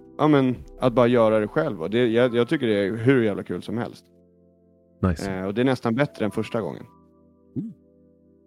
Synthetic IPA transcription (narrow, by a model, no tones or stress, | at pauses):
jʔɑ̰mɛna̰t̪̚bɑːɾajœːɾad̪ɛɧɛlvɔd̪ɛjɑjɑːɡ̚t̪ʰʏkːəɖɛæɾɦɵɾjæːvlakʰʉ̟ːlsɔmhɛ̰lst̪ | naɔd̪ɛæɳɛst̪anbɛt̪ːɾəɛnfœʂʈaɡɔ̰ŋːə̰n̩